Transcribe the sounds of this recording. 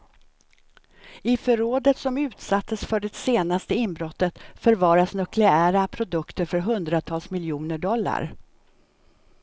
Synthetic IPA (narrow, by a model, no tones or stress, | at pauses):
ɪfœɾoːd̪ət̪sɔmʉ̟ːt̪sat̪ːəsfœɖɛseːnast̪əɪnbɾɔt̪ːət̪fœɾvɑːɾasnœklɛæːɾapʰɾʊd̪ɵkt̪əɾfœɾɦɵnd̪ɾat̪ʰɑːlsmɪljuːnəɖɔlːa̰ɾ